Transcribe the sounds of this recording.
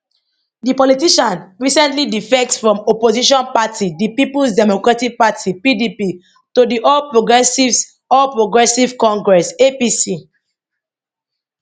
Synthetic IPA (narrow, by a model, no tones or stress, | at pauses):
dipɔlitiʃãnɹisɛ̃ntlidifɛk̚tsfɹɔ̃mɔpoziʃɔ̃npatʰidipipulsdɛmokɹatik̚patʰipidipi | todiʔɔlpɹoɡɛsivs | ɔlpɹoɡɹɛsivkɔ̃ŋɡɹɛsepisi